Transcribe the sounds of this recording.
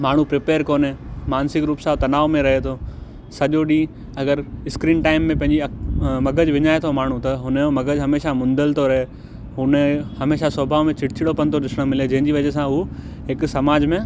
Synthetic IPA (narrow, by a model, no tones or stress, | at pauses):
maːɳ̤ũpɾɪpeːɾkoːnẽːmaːnsɪkɾuːpsãt̪ɐnaːʋmẽɾɐɦet̪ʰoː | sɐʄoɗĩː | ɐɡəɾɪskɾiːnʈaːɪmːẽpɐ̃ɦɪ̃ɲd͡ʑiɐmɐɡəd͡ʑʋɪɲaːet̪ʰomaːɳ̤ũt̪ɐɦʊnjomɐɡəd͡ʑɦɐmeːʃamʊ̃nd̪əlt̪ʰoɾɐɦe | ɦʊnhɐmeːʃasoːbʱaːʋmẽt͡ɕɪʈɪt͡ɕʰɪɽopɐnt̪ʰoɗɪsɽ̃mɪled͡ʑɐ̃ɦɪ̃ɲd͡ʑiʋɐʄes̬ãɦu | ɦɪksɐmaːd͡ʑmẽ